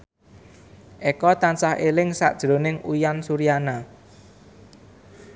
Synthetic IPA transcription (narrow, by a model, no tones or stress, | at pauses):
ʔekɔt̪ansahʔelɪŋsa̰ʔd̥ʒ̥ɾo̤nɪŋujansuɾiana